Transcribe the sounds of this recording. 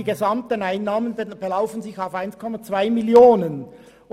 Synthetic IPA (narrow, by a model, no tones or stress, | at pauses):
iɡezɑmtənaɪnːɑːmənb̥elaʊfənzɪçaʊfaɪnskʰɔmɑt͡sv̥aɪmiljoːnən